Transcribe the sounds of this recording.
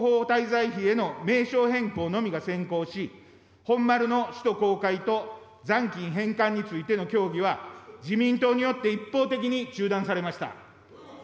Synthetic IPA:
ɦoːt̪aizaiçie̞no̞me̞ːɕo̞ːɦẽ̞ŋko̞ːno̞mʲiɡasẽ̞ŋko̞ːɕi | hõ̞mːaɾɯ̟no̞ɕi̥t̪o̞ko̞ːkait̪o̞ | d͡zãŋkʲĩɰ̃ɦẽ̞ŋkãɲ̟ːit͡sɨit̪e̞no̞kʲo̞ːɡʲiβ̞ad͡ʑimʲĩnt̪o̞ːɲ̟ijo̞t̪ːe̞ipːo̞ːt̪e̞k̬ʲiɲ̟it͡ɕɨːd̪ãɰ̃saɾe̞maɕi̥t̪a̰

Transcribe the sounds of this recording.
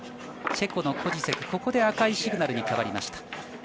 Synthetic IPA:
se̞ko̞no̞kʰo̞ʑise̞kɯ̟̥ko̞ko̞d̪e̞akaiɕiɡɯ̟naɾɯ̟ɲ̟ikaβaɾʲima̰ɕi̥t̪ḁ

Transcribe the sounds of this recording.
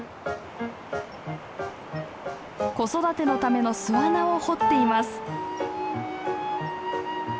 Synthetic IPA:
ko̞so̞d̪at̪e̞no̞t̪ame̞no̞sɨβanaoho̞t̪ːe̞imasɨ̥

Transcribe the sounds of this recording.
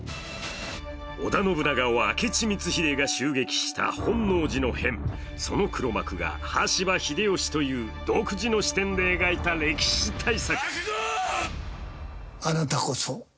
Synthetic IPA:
o̞̰d̪ano̞bɯ̟naɡao̰ːke̞t͡ɕimʲit͡sɨçiɾe̞ɡaɕɨːɡe̞kʲi̥ɕi̥t̪ʰa̰hõ̞nːo̞ːʑino̞hẽ̞ɴ | so̞no̞kɯ̟ɾo̞ma̰kɯ̟ɡa̰haɕibaçid̪e̞o̞ɕi̥t̪o̞jɯ̟ːd̪o̞ːkɯ̟ʑino̞ɕi̥t̪ẽ̞nd̪e̞ːɡait̪aɾe̞kʲi̥ɕit̪ʰaisakɯ̟̥ | anat̪akoso

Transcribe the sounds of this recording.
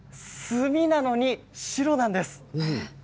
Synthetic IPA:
sɨmʲinano̞ɲ̟i | ɕiɾo̞nãnd̪e̞sɨ̥

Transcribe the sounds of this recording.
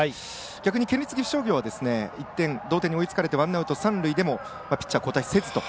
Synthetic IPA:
ai | ɡ̥ʲakɯ̟ɲ̟ikẽnʲɾʲit͡sɨɡʲiɸʲi̥ɕo̞ːɡʲo̞ːβad̪e̞sɨne̞it̪ːẽ̞nd̪o̞ːt̪e̞ɲːio̞it͡sɨ̥kaɾe̞t̪e̞βãnːaɯ̟t̪osãnɾɯid̪e̞mo̞ | mapʲi̥t͡ɕːiako̞ːt̪aise̞zɨ̥t̪o̞

